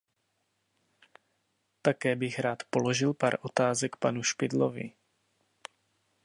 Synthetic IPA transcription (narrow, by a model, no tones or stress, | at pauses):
t̪akɛːbɪxɾaːt̪po̞lo̞ʒɪlpa̰ːɾʔo̞t̪aːzɛkpanuʃpɪdlovɪ̰